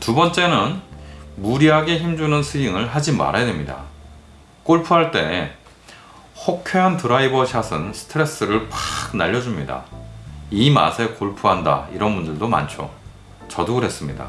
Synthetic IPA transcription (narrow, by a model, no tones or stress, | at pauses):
tubʌnt͡ɕ͈e̞nɯnmuɾiɦaɡeçimd͡ʑunɯnsʰɯiŋɯɭɦad͡ʑima̰ɾajadwe̞mɲida̰ | k͈oɭpʰuɦaɭt͈e̞ | hokʰjeɦantɯɾaibʌɕʰasʰɯnsʰɯ̥tʰɯɾe̞s͈ɯɾɯɭpḁɡ̚naʎːʌd͡ʑumɲida̰ | ima̰sʰe̞koɭpʰuɦanda̰iɾʌnmundɯɭdoma̰nt͡ɕʰo̰ | t͡ɕʌduɡɯɾɦe̞s͈ɯmɲida̰